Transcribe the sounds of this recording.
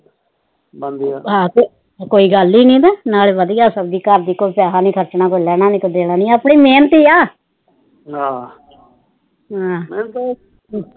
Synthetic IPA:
bənd̪iaɦãːte | koːiːɡəliːnĩːd̪ɛːnaːlʋəd̪ijaːsəb̚d̪iːkəɾd̪iːkoːpɪjaːɦaːnĩːkʰəɾt͡ʃnãːkoːilɛːɽ̃aːnĩːkod̪eːɽaːnĩːəpɳiːmeːnt̪iːaː | ɦaː | ɦãːnt̪

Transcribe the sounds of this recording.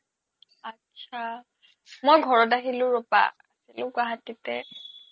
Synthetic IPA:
atːʃʰa | mojɡʱɔɹɔt̬aɦilʊ̃ɹɔpa̰ːsilʊ̃ɡwaɦatitɛ

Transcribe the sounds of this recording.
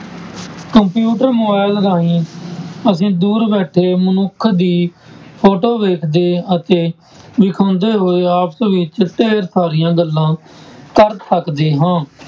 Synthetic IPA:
kəmpjuːʈəɾmoːbaːɪlɾaːĩː | əsĩːd̪uːɾbɛːʈʰeːmənʊkʰːd̪iːpʰoːʈoːʋeːkʰd̪eːət̪eː | ʋɪkʰãːnd̪eːɦoːeaːpsʋɪt͡ʃʈeːɾsaːɾɪjãːɡəlːãːkəɾsʰəkd̪eːɦãː

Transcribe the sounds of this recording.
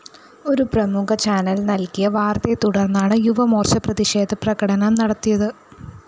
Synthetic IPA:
o̞ɾuprɐmukɐt͡ɕaːnɐlnɐlkijɐʋaːrt̪et̪uɽɐrnːaːɳɨjuʋɐmo̞ːrɕɐprɐðiʂe̞ːd̪ʱɐprɐɣɐɽɐnɐmnɐɽɐt̪ːijɐðɨ

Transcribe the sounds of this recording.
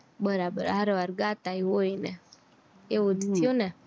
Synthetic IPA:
bəɾabə̰ɾaɾʋaɾɡat̪aiɦoinɛ | eud̪t̪ʰjonɛ

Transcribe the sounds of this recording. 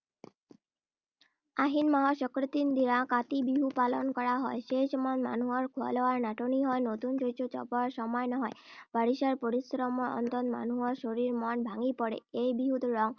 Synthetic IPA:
aɦinmaɦɔʃɔkɾot̪ind̪iɾãkat̪ibiɦupalonkɔɾaɦɔeʃejʃɔmanma̰nuɦɔɾkʰua̰lɔwaɾnaʈoniɦɔenot̪und͡ʒojt͡ɕʰot͡ɕɔ̰poaɾʃɔmɔenɔɦɔeb̥aɽiʃaɾpoɾisɾɔmɔɔ̰nt̪ɔnma̰nuɦɔɾʃoɾiɾmɔnbʱaŋipɔɽḛejbiɦut̪ɾɔŋ

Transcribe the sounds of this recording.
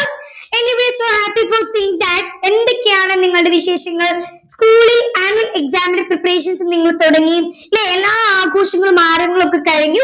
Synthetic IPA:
eniʋeːsoːhæːpifosiːiŋd̪ɐʈ̚e̞nd̪ekʲːeaːɳɨniŋːɐɭɽeʋiɕe̞ːɕɐŋːɐɭ | skuːɭilaːnuɐle̞ksaːminɐɾpripːɐɾeːʂɐnsniŋːɐɭt̪oɽɐŋːi | neelːaːaːɡʱoːʂɐŋːɐɭumaːrɐŋːɐɭo̞kːekɐɻiɲːu

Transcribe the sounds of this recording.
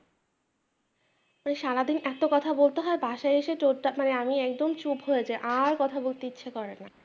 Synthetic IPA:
maneʃalad̪inɛt̪okɔt̪ʰabolt̪eɦɔebʱaʃaeeʃeʈoʈamaneamiɛk̚d̪omt͡ɕupɦojed͡ʑaeʔaɾkɔt̪ʰabolt̪eit͡ɕːɕʰakɔɾenːa

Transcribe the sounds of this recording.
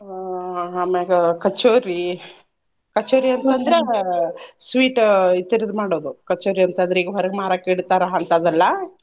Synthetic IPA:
ɦaːmeɡɐkɐt͡ʃːoːɾi | kɐt͡ʃːoːɾiɐnt̪ɐnd̪ɐɾe | sʋiːʈit̪ːiɾid̪maːɽoːd̪ukɐt͡ʃːoːɾiɐnt̪ɐnd̪ɾeiːɡɐʋɐɾɡmaːɾaːkeːɽt̪aːɾɐɐnt̪ad̪ɐlːɐ

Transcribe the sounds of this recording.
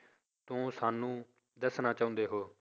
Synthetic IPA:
t̪ʊ̃ːsaːnːũː | d̪əsnaːt͡ʃaːʊ̃nd̪eːɦoː

